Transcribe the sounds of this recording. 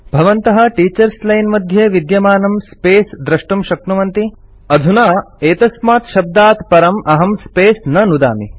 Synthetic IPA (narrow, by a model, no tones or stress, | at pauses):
bʱɐʋɐnt̪ɐɦɐ̆ʈiːt͡ʃɐɾslɐjnmɐd̪ʱjɐʋid̪jɐmaːnɐmspeːsd̪ɾɐʂʈumʃɐknuʋɐnt̪i | ɐd̪ʱunaːeːt̪ɐsmaːt̪ʃɐb̚d̪aːt̪pɐɾɐmʔɐɦɐmspeːsnɐnud̪a̰ːmi